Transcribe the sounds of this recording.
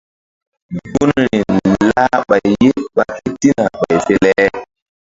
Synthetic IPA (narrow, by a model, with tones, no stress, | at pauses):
bbu˦nɾi˨nla˦ɓa˨jje˦ɓa˨ki˦ti˦na˨ɓa˨jfe˦lɛ˦